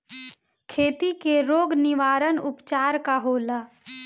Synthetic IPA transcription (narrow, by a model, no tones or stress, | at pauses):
kʰeːt̪ikeɾoːɡnɪʋaːɾənʊpt͡ʃaːɾkaɦoːlaː